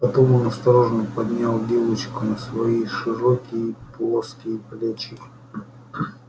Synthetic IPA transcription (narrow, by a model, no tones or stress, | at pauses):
pɐt̪omonɐst̪ɐɾoʐnəpɐd̪ʲnʲalˠd̪ʲevət͡ɕkʊnəsvɐiʂɨɾokʲɪjəplˠoskʲɪjəplʲat͡ɕɪ